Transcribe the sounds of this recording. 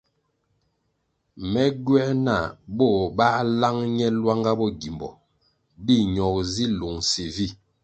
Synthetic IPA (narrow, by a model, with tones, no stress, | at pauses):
mɛ˦ɡɥɛ˦na˦˨bɔ˦˨ba˦la˦ŋɲɛ˦lwa˦ŋɡa˦bɔ˦˨ɡi˨mbɔ̰˨ | di˦ɲɔ˨k̚zi˦lo˨ŋsi˨vi˦˨